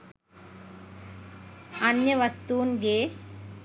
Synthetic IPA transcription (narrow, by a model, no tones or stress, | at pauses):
ɐnjɐʋɐst̪uːnɡeː